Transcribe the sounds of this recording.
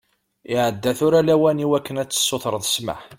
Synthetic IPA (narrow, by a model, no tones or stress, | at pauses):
ɪʕəd̪ːæθʊɾælæwæniwækːənæt͡sːə̥sːoθɾˤəðˤsma̰ħ